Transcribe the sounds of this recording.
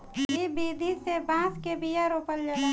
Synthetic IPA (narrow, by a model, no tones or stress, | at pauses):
ibid̪ʱisebãːskebijaɾopəld͡ʒəla